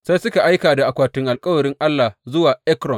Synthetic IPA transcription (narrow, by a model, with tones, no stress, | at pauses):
sa˦jsʊ˦ka˨ʔa˦jkaː˨da˨ʔa˨kʷaː˨tɪ˦ŋʔa˨lkʼɐ˦wɐ˨ɽɪ˦ŋʔa˦lːa˨hzʊ˦waː˨ʔɛ˦kɾɔ˨n